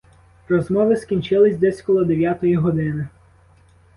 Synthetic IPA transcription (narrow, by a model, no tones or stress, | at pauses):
rɔzmɔʋɪskʲinʲt͡ʃɪlˠɪsʲd̪ɛsʲkɔlˠɔd̪eʋʲjat̪ɔjiɦɔd̪ɪnɪ